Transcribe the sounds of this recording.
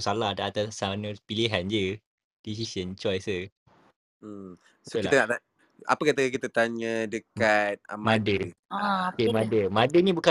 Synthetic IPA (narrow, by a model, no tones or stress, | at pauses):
saladaat̪asanəpiliɦand͡ʒə | d̥is̬isənt͡ʃɔjsə | solit̪ənaʔla | a̰pəkat̪əakit̪at̪aɲədəkat̪̚əmadə | kemãdəmãdənĩbuka